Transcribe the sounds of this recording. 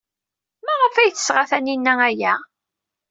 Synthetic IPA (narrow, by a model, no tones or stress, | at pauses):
mæʁəfæjθə̥sʁaθæninːææjæ